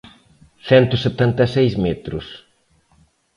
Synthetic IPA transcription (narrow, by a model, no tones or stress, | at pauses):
sɛnt̪ʊset̪ãnt̪ɐsejzmɛt̪ɾʊ̰s